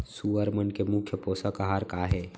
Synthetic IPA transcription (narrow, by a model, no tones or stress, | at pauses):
suəɾmənkemʊkʰjəpoːsəkəɦaɾkaɦe